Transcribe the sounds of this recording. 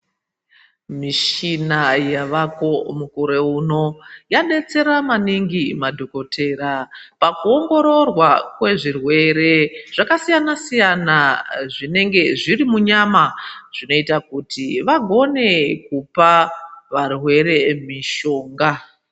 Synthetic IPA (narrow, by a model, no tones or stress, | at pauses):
miʃinajaʋako̞mukoɾeuno̞jaɗe̞t͡se̞ɾamaniŋɡimadʱoko̞tʰe̞ːɾapakuo̞ŋɡo̞ɾo̞rwakwe̞ʐirwe̞ɾe̞ʐ̥akasijanasijanaʐine̞ŋɡe̞ʐirimuɲamaʐ̥ino̞itakutʰiʋaɡʱo̞ne̞kupaʋarwe̞ɾe̞miʃo̞ːŋɡa